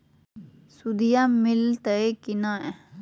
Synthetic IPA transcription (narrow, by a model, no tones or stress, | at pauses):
sud̪ijamilt̪əekinãɛ